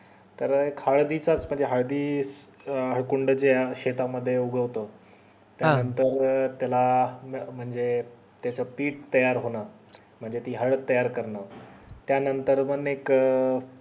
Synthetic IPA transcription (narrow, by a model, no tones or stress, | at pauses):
t̪əɾekhaɭd̪iːt͡sat͡sm̤əɳd͡zeɦaɭd̪iː | ɦəɭkuɳɖt͡ɕeɕet̪aməd̪ʱːjeuɡʱəʋt̪əː | t̪janənt̪əɾt̪jalam̤əɳd͡ze | t̪jat͡səpiːʈt̪əjaɾɦona | m̤əɳd͡zet̪iːɦəɭət̪ːəjaɾkəɾɳat̪janənt̪əɾmənːek